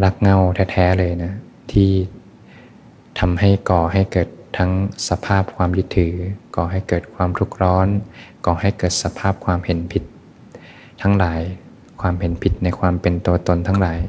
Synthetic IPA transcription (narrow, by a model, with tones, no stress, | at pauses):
la˦˥˩k̚ŋa˥˩wt̪ʰɛː˧˥t̪ʰɛː˦˥lɤː˧jna˦˥ | t̪ʰiː˥˩ | t̪ʰa˧mha˥˩jkɔː˨˩ɦa˥˩jkɤː˨˩t̪ʰːa˦˥ŋsa˧pʰaː˥˩p̚kʰwaː˧mju˦˥t̪ʰːɯː˩˦kɔː˨˩ɦa˥˩jkɤː˨˩t̪̚kʰwaː˧mt̪ʰu˦˥˩k̚ɾɔː˦˥nkɔː˨˩ha˥˩jkɤː˨˩t̪̚sa˧˦pʰaː˥˩p̚kʰwaː˧mhe˨˩˦npʰi˧˦t̪̚ | t̪ʰa˦˥ŋlaː˩˦j | kʰwaː˧mhe˨˩˦npʰi˧˦t̪̚na˧jkʰwaː˧mpe˧nt̪u˧ɐt̪o˧nt̪ʰa˧˦˥ŋlaː˨˩˦j